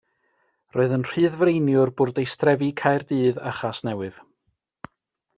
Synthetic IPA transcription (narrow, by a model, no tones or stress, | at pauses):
roɨðənr̥ɨːðvrejnjʊrbʊrdejstrɛvikʰajrdɨːða̰χasnɛwɨð